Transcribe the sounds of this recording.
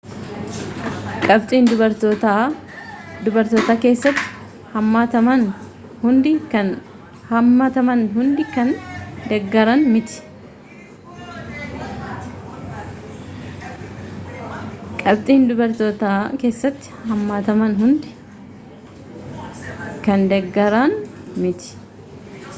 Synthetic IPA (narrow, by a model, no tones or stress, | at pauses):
kʼɐbt̪ʼiːnd̪ʊbɐɾt̪ot̪a | d̪ʊbɐɾt̪oːt̪aːke̞ːsːɐt̪ːɪ̥ | hɐmːat̪ɐmɐn | hʊnd̪ɪkɐn | hɐmːɐt̪ɐmɐnɦʊnd̪ɪkɐnd̪ɐɡːɐɾɐnmɪt̪ɪ̥ | kʼɐb̚t̪ʼiːnd̪ʊbɐɾt̪oːt̪aːke̞ːsːɐt̪ːɪ̥hɐmːaːt̪ɐmɐnɦʊnd̪ɪ | kɐnd̪ɛɡːɐɾɐnmɪt̪ɪ̥